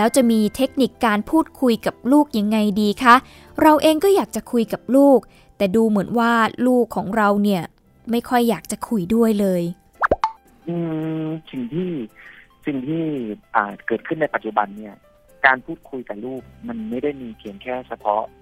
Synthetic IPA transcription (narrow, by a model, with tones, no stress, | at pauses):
lɛː˦˥wt͡ɕa˨˩miː˧t̪ʰe˦˥k̚ni˨˩kːaː˧npʰuː˥˩t̪̚kʰu˧jka˨˩p̚luː˥˩k̚ja˧ŋːa˧jdiː˧kʰa˦˥ʔ | ɾa˧wʔeː˧ŋkɔː˥˩jaː˨˩k̚t͡ɕa˨˩kʰu˧jka˨˩p̚luː˥˩k̚ | t̪ɛː˨˩duː˧mɯ˩˦ənwaː˥˩luː˥˩kʰːɔː˩˦ŋɾa˧wni˥˩ɐ | ma˥˩jkʰɔ˥˩jːaː˨˩k̚t͡ɕa˨˩kʰu˧jdu˥˩əjlɤː˧j | ʔɯː˧si˨˩ŋt̪ʰiː˥˩ | si˨˩ŋt̪ʰiː˥˩ʔaː˨˩kɤː˨˩t̪̚kʰɯ˥˩nːa˧jpa˨t̪̚t͡ɕu˨˩ba˧nːi˥˩ɐ | kaː˧npʰuː˥˩t̪̚kʰu˧jka˨˩luː˥˩k̚ma˧nma˥˩jda˥˩jmiː˧kʰi˨˩˦əŋkʰɛː˥˩sʰa˧pʰɔ˦˥ʔ